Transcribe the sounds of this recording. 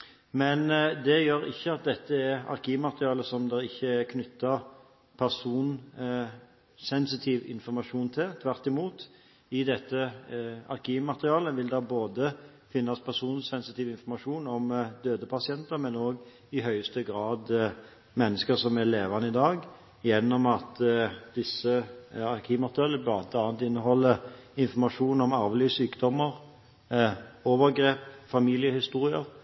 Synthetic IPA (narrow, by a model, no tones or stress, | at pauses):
mɛnd̪ɛjøːɾɪ̰çːəɑt̪̚d̪ɛt̪ːəɛɑ̰ɾkʰiːmɑt̪əʁɪɑːləsɔmd̪ɛɪçːəækʰnʏt̪ʰːɑ | pʰæʁsuːn | sɛnsɪt̪ʰiːʋɪ̰nfɔɾmɑʂuːnt̪ʰɪlt̪ʰʋæɾt̪ɪmuːt̪ | ɪd̪ɛt̪ːəɑ̰ɾkiːmɑt̪əʁɪɑːləʋɪld̪ɑboːd̪ə | fɪnːɑspʰæʁsuːnsɛnsɪt̪ɪːʋɪnfɔɾmɑʂuːnɔmd̪øːd̪əpʰɑsɪɛnt̪əɾmɛnoːɡ | ɪɦœʏəst̪əɡɾɑːd̪ | mɛnːəskəɾsɔmæleːʋɑnəɪd̪ɑːɡ | jɛnːɔmɑt̪d̪ɪsːəɑɾkʰiːʋmɑt̪ʁɪɑːləbɑːd̪əɑːnənt̪ɪnːəɦɔlːəɪnfɔmɑʂuːnɔmɑɾʋlyːsyːkd̪ɔmːəɾ | oːʋəɾɡɾeːpfɑmiːlɪəhɪst̪uːɾɪəɾ